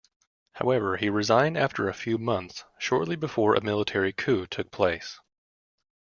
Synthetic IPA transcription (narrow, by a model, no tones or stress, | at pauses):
haʊɛvə˞iɹɨzãɪ̃ndæftʰə˞ɨfjʉmʌ̃nθsʃɔɹʔˡlibɨfɔɹʔɨ̰mɪlˠətʰɛɹikʰʉtʰʊk̚pʰl̥eɪs